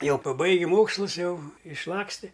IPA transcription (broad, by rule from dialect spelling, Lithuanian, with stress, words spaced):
ˈjɛʊ pɐˈbɐɪɡʲɪ ˈmoːkslˠʊs ˈjɛʊ ɪʃˈlˠɑːksʲtʲɪ